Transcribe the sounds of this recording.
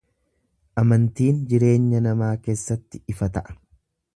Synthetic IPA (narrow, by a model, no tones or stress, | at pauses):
ʔɐmɐnt̪iːnd͡ʒɪɾe̞ːɲːɐnɐmaːke̞ːsːɐt̪ːɪɪfɐt̪ɐʔɐ̥